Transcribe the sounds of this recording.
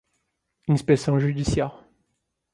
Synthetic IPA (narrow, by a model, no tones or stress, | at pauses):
ynspɛsjɔ̃ʒyd̪isjɛʁ